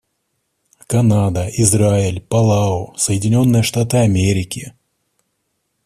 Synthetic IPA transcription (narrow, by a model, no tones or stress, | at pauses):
kɐnad̪ɐɪzɾaɪlʲpɐlˠaosəjɪdʲɪnʲo̞nːɨjəʂt̪at̪ɨɐmʲeɾʲɪkʲɪ